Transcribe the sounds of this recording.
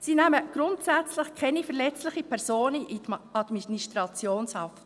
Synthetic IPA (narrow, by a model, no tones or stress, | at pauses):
sinæməɡ̥ɾʊntsæt͡slɪχkʰɛnifɛɾlɛt͡slɪχipʰɛɾzoːnəʔidɑd̥̪miniʃtɾɑt͡sjoːnshɑf